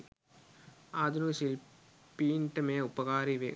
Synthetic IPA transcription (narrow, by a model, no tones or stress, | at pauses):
aːd̪unuɕil | piːnʈɐmeːupːɐɣaːɾiʋḛ